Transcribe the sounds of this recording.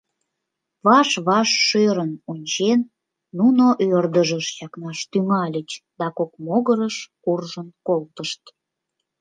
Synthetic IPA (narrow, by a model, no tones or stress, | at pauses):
βɑʃβɑʃːøɾənunʲt͡ɕenː | unoʔørd̪əʒəʃjɑknɑʃt̪yŋɑlʲət͡ɕd̪ɑkokmoɣəɾəʃkurʒənkolt̪əʃt̪